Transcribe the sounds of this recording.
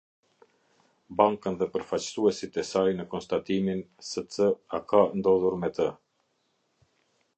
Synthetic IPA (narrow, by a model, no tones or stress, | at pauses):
baŋkənðɛpəɾfat͡ɕsuɛsit̪ɛsajnəkɔnst̪at̪iminsɛt͡səakand̪ɔðuɾmɛt̪ə